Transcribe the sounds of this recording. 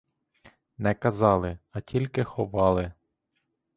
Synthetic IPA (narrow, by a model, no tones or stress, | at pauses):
nɛkɐzɑlˠɪɐtʲilʲkɪxɔʋɑlˠɪ